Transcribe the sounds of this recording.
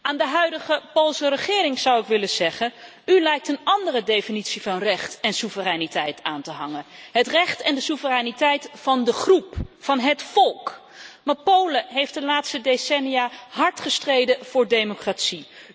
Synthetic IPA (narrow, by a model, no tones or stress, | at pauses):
aːndəɦœɥdəχəpolˠsərəχɪːɾɪŋz̥ɑwɪkʋɪləzɛχən | ylɛjk̚tənɑndərədejfinitsivɑnrɛχtɛnsuvərɛnitɛjtʰaːntəɦɑŋənɦətrɛχtɛndəsuvərɛnitɛjtfɑndəχrupfɑnɦətfɔlˠk | maːpowləɦejftdəlaːtstədesɛnijaɦɑɹtχəstrejdəv̥ʊːɹdejmokratsi